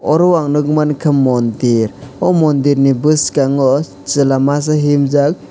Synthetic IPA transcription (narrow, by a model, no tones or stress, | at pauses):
ɔɾɔwaŋnɯk̚mankʰɯmːɔndiɾɔmɔndiɾnibɯskaŋɔ | t͡ʃɯlamas̬aɦimzak̚